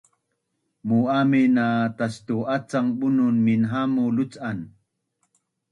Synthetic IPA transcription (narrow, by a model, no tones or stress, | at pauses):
muaminat̪ast̪uʔat͡saŋɓununminɦamulut͡san